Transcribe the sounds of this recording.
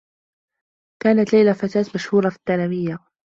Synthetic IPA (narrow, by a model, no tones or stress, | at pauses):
kaːnat̪lajlafat̪aːt̪maʃhuːɾˤɑfi̥d̪ːaːlamɪjːa